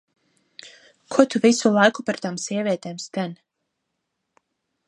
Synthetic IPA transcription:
kʰuɔt̪uvisulˠajkupaɾt̪aːmsiɛvʲiɛt̪eːmst̪ɛn

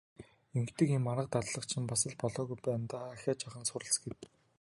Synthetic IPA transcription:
eŋkt̪ɘ̆kimːaɾə̆q̚t̪atɮə̆qt͡ɕʰɪ̆mpasə̆ɮpɔɮɔːɣujpæːnt̪aːaxʲaːt͡ɕaχə̆nsʊɾə̆ɬt͡sɡet̪

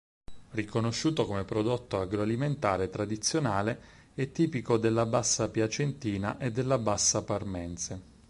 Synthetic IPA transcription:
rikonoʃːuːt̪okomepɾod̪ot̪ːoaɡɾoaliment̪aːɾet̪ɾad̪it̪sːjonaːle | ɛt̪ːiːpikod̪elːabasːapjat͡ʃent̪iːnaʔed̪ːelːabasːaparmɛnt̪se

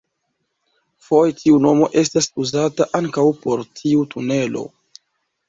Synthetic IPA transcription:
fo̞jtʰiuno̞mo̞̰ʔe̞s̬tasuzataʔaŋkawpo̞ɾtʰiutʰune̞lo̞̰

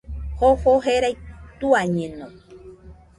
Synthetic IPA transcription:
hohoɦeɾajt̪uaɲẽnõ

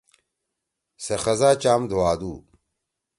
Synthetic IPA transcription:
sɐxɐzaːt͡ɕaːmd̪ʱuwaːd̪uː

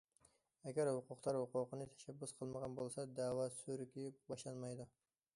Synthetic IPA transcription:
ɛɡʲæɾhʊqʊqt̪ˠɑɾhʊqʊqənɨt̪ʰɛ̥ʃɛbːʊsqʰəlˠməʁɑnbolˠsɑd̪æːwɑsøɾɪkʲibɑʃlˠɑnmɑjd̪ʊ

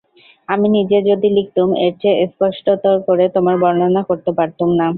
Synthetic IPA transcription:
aminid͡ʑed͡ʑod̪ilik̚t̪umeɾt͡ɕʰeʔspɔʃʈot̪oɾkoɾet̪omaɾbɔɾnonakoɾt̪epaɾt̪umna

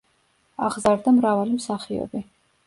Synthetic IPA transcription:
aʁzaɾd̪amɾavalimsaχiɔ̰bi

